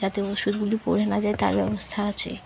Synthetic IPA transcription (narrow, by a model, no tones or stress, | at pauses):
at̪eoʃud̪̚ɡulipoɾenad͡ʑaet̪a̰ɾbɛbost̪ʰaat͡ɕʰḛ